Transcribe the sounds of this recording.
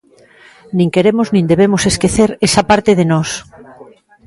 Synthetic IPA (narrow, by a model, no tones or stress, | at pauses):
nĩŋkeɾemoznĩnd̪eβ̞emoseskeθeɾesapaɾt̪eðenɔs